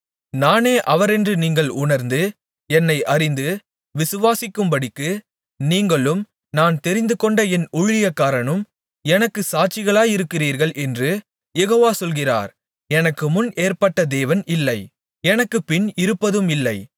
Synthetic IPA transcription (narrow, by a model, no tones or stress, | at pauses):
naːneːʔɐʋɐɾɛndrɯniːŋɡɐɭʊnɐɾnd̪ɯ | ɛnːɐɪʔɐɾɪnd̪ɯ | ʋɪsɯʋaːsɪkːɯmbɐɽɪkːɯ | niːŋɡɐɭɯm | naːnt̪ɛɾɪnd̪ɯkɔɳɖɐɛnʊɻɪjɐkːaːɾɐɳɯm | ɛnɐkːɯsaːt͡ʃːɪɣɐɭaːjɪɾɯkːɪriːɾɣɐɭʔɛndrɯ | jɛɣoːʋaːsɔlɣɪra̰ːɾ | ɛnɐkːɯmʊneːɾpɐʈːɐd̪eːʋɐnɪlːɐɪ | ɛnɐkːɯpɪnɪɾɯpːɐðɯmɪlːɐɪ